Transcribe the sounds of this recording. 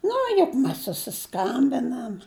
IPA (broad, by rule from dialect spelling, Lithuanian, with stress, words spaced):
ˈnʊ jʊk ˈmʲɛs sʊsʲɪˈskɐmʲbʲɪnɐm